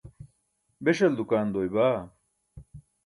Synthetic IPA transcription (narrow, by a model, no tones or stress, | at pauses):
beɕɐld̪ukaːnd̪oːjbaː